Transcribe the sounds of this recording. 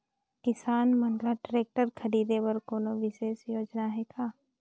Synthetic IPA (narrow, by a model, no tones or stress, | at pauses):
kɪsaːnmɐ̃nd̪ɾaʈɾeːk̚ʈəɾkʰɐɾiːd̪eʋɐɾkoːnoʋɪʃeːsjoːd͡ʒnaɦɛkʰaː